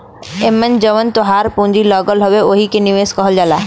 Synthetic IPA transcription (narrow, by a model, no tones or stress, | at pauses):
emːənd͡ʒɔʋənt̪oɦaɾpũnd͡ʒilɔɡɔlɦɔbeoɦikeniʋeskɔɦɔld͡ʒala